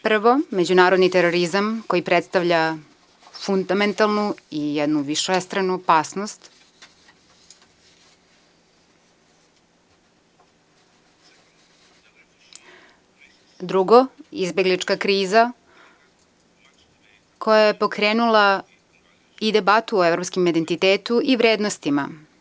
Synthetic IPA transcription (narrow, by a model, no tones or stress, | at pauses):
pr̩ʋo̞me̞d͡ʑunaːɾod̪nit̪eɾo̞ɾizamko̞jipɾet̪st̪aʋʎa | fund̪ament̪alˠnuijed̪nuʋiʃest̪ɾanuopaːsnost̪ | d̪ɾuɡoizbe̞ɡlit͡ʃkakɾiːza | kʰo̞jajepo̞kɾeːnula | id̪e̞bat̪uoevɾopskimid̪ent̪it̪eːt̪uiʋɾeːd̪nost̪ima